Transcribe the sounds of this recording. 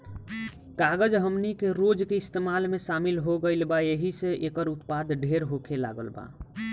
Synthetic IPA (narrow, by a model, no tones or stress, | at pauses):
kaɡəd͡ʒɦəmnikeɾod͡ʒkeist̪emalmesamilɦoɡəɪlbajeɦiseʔekəɾut̪pad̪ʱɖʱeɾɦokʰela̰ɡə̰lba̰